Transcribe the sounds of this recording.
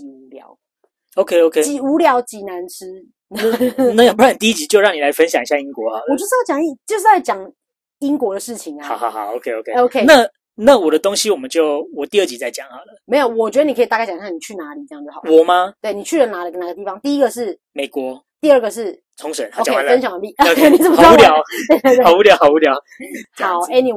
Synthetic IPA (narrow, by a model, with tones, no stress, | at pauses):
t͡ɕi˧˩u˧˦ljɑ̰˨˩ʊ | o˧kʰe˥˦o˧ʊkʰe˥˦t͡ɕi˨˦u˧˥ljɑ˧˥ʊt͡ɕi˨˥na˧˦nʈ͡ʂ̩ʰ˥ | n˧na˧˥jpu˥˨n˩t̪i˥˧i˥˩t͡ɕi˨˥t͡ɕjo˥˧ʊɻɑ˥˩ŋni˨la˨˧˦ɪfə˦nɕ̬jɑ˨˩ŋi˧˦ɕja˥˧˨i˦ŋkwɔ˨˦a˦wɔ˨t͡ɕo˥˩ʂ̩˥jɑ˥˩t͡ɕjɑ˨˩ŋi˥˩t͡ɕjo˥˧ʊʂ̬̩˥˩t͡sa˥˩ɪt͡ɕjɑ˨˩ŋ | i˦˥ŋkwɔ˧˥d̪ə˨ʂɻ̩˥˩t͡ɕʰi˨ŋa˨ɑ˨˩hɑ˨˦xɑ˨˧˦o˧˦kʰe˥˦o˧kʰe˦o˦ʊkʰe˦na˥˨ | na˥˩wɔ˨˩d̪ə˦t̪o˥˦ŋɕi˥˦wɔ˨˩mə˦nt͡ɕjo˥˨˩ʊwɔ˨˩t̪i˥˧ə˥˩t͡ɕi˧˦t͡sa˥˩ɪt͡ɕjɑ˨˩ŋha˨˩lə˦me˧˥ɪjo˨˩ʊwɔ˨˩t͡ɕɥɛ˧˥d̪ə˧ni˨kʰə˧˥˨t̪a˥˧kɪt͡ɕɑ˨˩ɕʰja˥˩ŋni˨˩t͡ɕʰy˥˩na˧˥li˨˩t͡sjŋjoə̰˩˨˩wɔ˨˩ma˦t̪we˥˩ɪni˨˩t͡ɕʰy˥˩ɻə˧˦na˧˥d̪ə˧˩na˨˩ɡə˩t̪i˥˩fɑ˧˦ŋt̪i˥˧i˦˥ɡə˨ʂɻ̩˥˩ | me˨˩ɪkwɔ˧˦ | t̪i˥˧ə˥˩ɡə˩ʂ̬ɻ̩˥˩ | t͡sʰʊ˧˦ŋʂə˨˦n˨˩˨t͡ɕe˥˩a˥nə˥nɕɑ˨ŋwa˧˥nli˥˨˩o˧˦kʰe˥˩ni˨˩t͡s̩˥˩bu˥ljɑ˧˨˦ʊwe˥˧e˥˧t̪ːu˧˥ljɑ˧˦ʊxɑ˨˩ʊu˧˥ljɑ˨˦ʊ | a˨˦ɛ˥ni˨